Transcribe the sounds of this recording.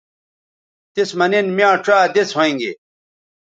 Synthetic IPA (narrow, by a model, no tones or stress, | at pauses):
t̪ismɐninmiãːʈ͡ʂaːd̪et͡shoĩŋɡḛ